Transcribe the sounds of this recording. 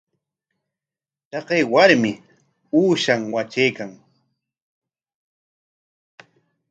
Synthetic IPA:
t̪ɑqejwaɾmɪ | uːʃaŋwat͡ʃejkaŋ

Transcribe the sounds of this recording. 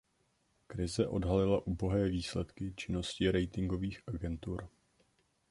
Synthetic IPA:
kɾɪzɛʔo̞dɦalɪlaʔuːbo̞ɦɛːviːslɛt̪kɪt͡ʃɪno̞scɪɾɛjt̪ɪŋɡo̞viːxʔaɡɛnt̪uɾ

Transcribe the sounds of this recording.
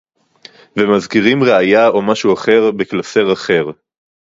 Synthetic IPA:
vemazkiʁimʁeajao̞maʃuaχe̞ʁbeklase̞ʁaχe̞ʁ

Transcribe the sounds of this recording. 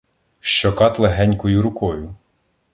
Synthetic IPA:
ʃt͡ʃɔkɑt̪lˠeɦɛnʲkɔjʊɾʊkɔjʊ

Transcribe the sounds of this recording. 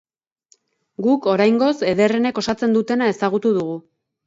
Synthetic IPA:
ɡuko̞ɾajŋɡo̞se̞ðe̞rene̞ko̞sat͡se̞nd̪ut̪e̞nae̞saɣut̪uðuɣu

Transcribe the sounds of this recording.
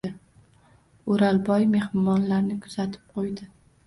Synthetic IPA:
ɪ | ʊɾalbɒjme̞hɾɪmɒnlaɾnɪkʰʊ̥z̥at̪ʰɪ̥p̚qʰojd̪ɪ

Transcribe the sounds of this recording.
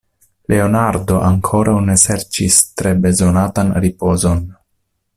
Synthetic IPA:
lʔe̞onaɾdo̞ʔaŋkʰo̞ɾʔawne̞se̞ɾt͡ʃistɾe̞be̞zo̞natanɾipo̞zo̞n

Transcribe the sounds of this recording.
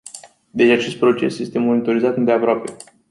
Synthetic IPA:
d̪e̞t͡ʃat͡ʃe̞st̪̚pɾo̞t͡ʃe̞̰sje̞st̪e̞mo̞nit̪o̞ɾizat̪ɨnd̪e̞apɾoape̞

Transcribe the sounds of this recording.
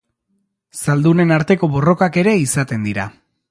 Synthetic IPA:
sald̪une̞naɾt̪e̞ko̞βo̞ro̞kake̞ɾe̞isat̪e̞nd̪iɾa

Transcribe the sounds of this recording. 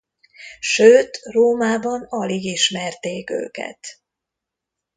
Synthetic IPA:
ʃøːt̪roːmaːbɒnɒliɡiʃmɛrt̪eːkø̰ːkɛ̰t̪

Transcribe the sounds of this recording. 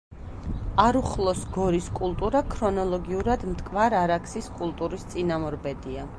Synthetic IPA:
aɾuχlˠɔsɡɔɾiskʼulˠt̪ʼuɾakʰɾɔnɔlˠɔɡiuɾad̪mt̪ʼkʼvaɾaɾakʰsiskʼulˠt̪ʼuɾist̪sʼinamɔɾbɛd̪ia

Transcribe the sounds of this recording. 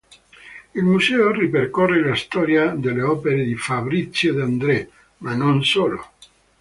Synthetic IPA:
ilmusɛoriperkorːelast̪ɔːɾjad̪elːeɔːpeɾed̪ifabɾit̪sːjod̪and̪ɾe | manonsoːlo̰

